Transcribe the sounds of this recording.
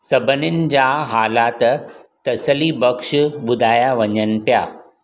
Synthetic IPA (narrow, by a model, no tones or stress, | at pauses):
səbənind͡ʑaɦaːlat̪t̪əsəliːbəkʂbud̪ʱaːjaʋəɲənpja